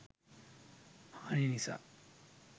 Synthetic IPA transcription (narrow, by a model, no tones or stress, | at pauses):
haːninisa̰